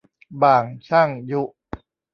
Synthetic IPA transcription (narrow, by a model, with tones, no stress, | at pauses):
baː˨˩ŋt͡ɕʰa˥˩ŋju˦˥ʔ